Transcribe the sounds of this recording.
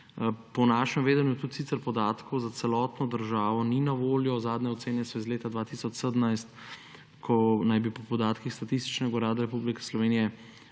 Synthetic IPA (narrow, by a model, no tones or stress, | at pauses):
pɔnaːʃɛmʋeːd̪ənjut̪ut̪siːtsɛɾpɔd̪aːt̪kɔwzat̪sɛlɔːt̪nɔd̪əɾʒaːʋɔninaʋoːljɔzaːd̪nɛɔt̪seːnɛsɔizleːt̪ad̪ʋaːt̪isɔt͡ʃsəd̪əmnajst̪ | kʰɔnajbipɔpɔd̪aːt̪kixst̪at̪ist̪i̥t͡ʃnɛɡauɾaːd̪aɾɛpublikɛ̥slɔʋeːnijɛ